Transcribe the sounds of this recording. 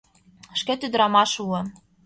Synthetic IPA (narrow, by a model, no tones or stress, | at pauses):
əʃket̪yd̪̆ɾɑmɑʃuɤ̆